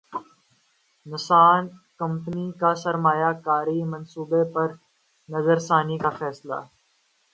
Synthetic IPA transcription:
nɪsaːnkɐ̃mpənikasɐɾmaːjakaːɾimɐ̃nsuːbepɐɾ | nɐzəɾsaːnikafɛːsla̰ː

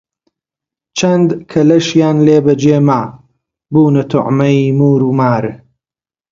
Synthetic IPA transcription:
t͡ʃʰɐnd̪kʰɐlɐʃjaːnleːbɐd͡ʒeːmaː | buːnɐt̪ʰʊ̰ʕmɐjimuːɾuːmaːɾ

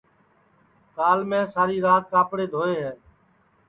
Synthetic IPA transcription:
kaːlmẽːsaːɾiːɾaːt̪̚kaːpɽeːd̪ʱoːeːɦɛː

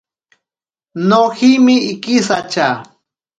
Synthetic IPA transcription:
noximɪːkisat͡ʃa

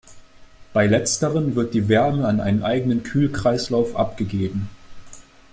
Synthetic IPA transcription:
b̥aɪlɛt͡stəʁənvɪɐt̚d̥iːvɛɐməanʔa̰ɪnənʔaɪɡənənkʰyːlkʁ̥aɪslaʊfʔa̰pɡ̥əɡeːbm̩

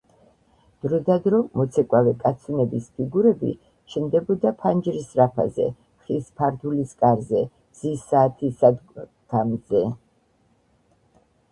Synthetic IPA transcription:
d̪̥ɾɔd̪ad̪ɾɔmɔt̪sʰɛkʼwavɛkʼat̪sʰinɛbispʰiɡuɾɛbḭ | t͡ʃʰnd̪ɛbɔd̪apʰand͡ʒɾisɾapʰa̰zɛ̰ | χispʰaɾd̪uliskʼaɾzɛ | bz̥isaːt̪ʰisad̪ | ɡ̥amzɛ

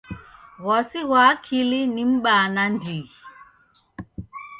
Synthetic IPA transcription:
ɣwɔsiɣwaːkʰilinim̩ɓanandiɣi

